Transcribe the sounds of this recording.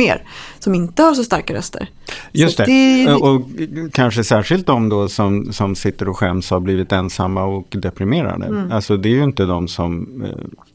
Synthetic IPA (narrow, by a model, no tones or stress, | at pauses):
ḛːɾsɔmɪnt̪əhaɾʂɔst̪aɾkaɾœ̰st̪ʰə̰ɾ | jɵst̪ɛɔkʰanʂəsæːʂɪlt̪̚d̪ɔmd̪ɔsɔmsɔmsɪt̪ːəɾɔɧɛmshaɾbliːvɪt̪ɛnsamːaɔkd̪ɛpɾɪmeːɾa̰d̪ə̰alsɔd̪ɛːɾjɪnt̪əd̪ɔmsɔm